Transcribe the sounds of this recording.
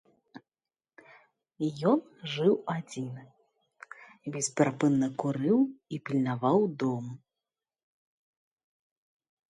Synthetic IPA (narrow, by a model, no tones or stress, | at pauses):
jɔn | ʐɨwad͡zʲinɨ | vʲisʲpʲɾapɨnːɐkuɾɨwipʲilʲnavawd̪ɔm